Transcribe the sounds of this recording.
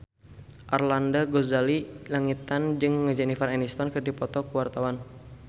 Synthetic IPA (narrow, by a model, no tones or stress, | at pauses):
ʔarlandaɡozalilaŋit̪and͡ʒɨŋːəd͡ʒɛnifarɛnist̪ɔnkɨrdipɔt̪ɔkuwart̪awan